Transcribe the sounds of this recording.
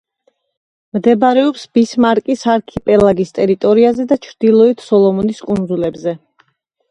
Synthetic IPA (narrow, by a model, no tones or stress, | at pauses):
md̪ɛbɾɛɔpsb̥ismaɾkʼisaɾkʰipʼɛlˠaɡist̪ʼɛɾit̪ʼɔɾiazɛd̪at͡ʃʰɾd̪̥ilˠɔit̪ʰsɔlˠɔmɔniskʼund̪zulɛbzɛ